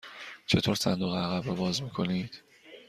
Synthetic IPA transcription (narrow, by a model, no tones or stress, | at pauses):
t͡ʃʰe̞t̪ʰoːɾsæ̰nd̪uːɣeæɣæbɾɒbɒːzmiːkʰo̞niːd̪̥